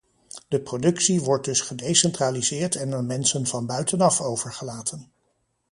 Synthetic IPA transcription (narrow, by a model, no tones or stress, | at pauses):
d̥əprodɵksiʋɔɹt̚dɵsχədejsɛntraːlizɪːɹtɛnəɹmɛnsənvɑnbœɥtənɑfowv̥əɹχəlaːtʰən